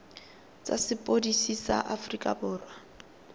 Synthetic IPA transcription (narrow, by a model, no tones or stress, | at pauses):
t͡sʼa̰sɪpʼodisisa̰ʔafrikʼa̰bʊːrwa